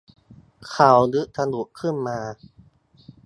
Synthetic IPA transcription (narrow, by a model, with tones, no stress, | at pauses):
kʰa˨˩˦wdɯ˦˥ʔt̪ʰa˧nu˨˩˦kʰɯ˥˩nmaː˧